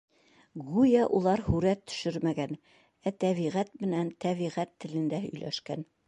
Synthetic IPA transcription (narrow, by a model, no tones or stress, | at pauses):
ʁujɑʔulˠɑɾhʉɾæt̪ːɵ̥̆ʃɘɾmæɡæn | æt̪æβiʁæt̪mɘ̆nænt̪æβiʁæt̪ːɘ̆lɘ̆nd̪æhɵ̰̆jlʔæ̰ʃkæn